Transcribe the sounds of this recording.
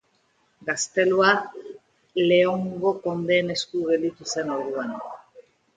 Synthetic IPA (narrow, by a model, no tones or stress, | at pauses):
ɡast̪e̞lua | le̞oŋɡo̞ko̞nd̪e̞ːne̞skuɣe̞ld̪it̪use̞noɾðuan